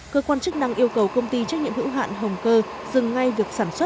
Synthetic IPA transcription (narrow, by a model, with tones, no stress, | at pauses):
kəː˧kwaː˧nt͡ɕɨ˦˥k̚ɗa˧ŋʔi˧əwkə˨˩wkə˧wŋ͡mt̪i˧t͡ɕa˦˥k̚ɲḭ˧˨əmhɨ̰˧˥wɦa̰ː˧˨nɦə˨˩wŋ͡mkəː˧ | zɨ˨˩ŋːa˧jvi˨˩ək̚saː˧˩nswə˦˥t̚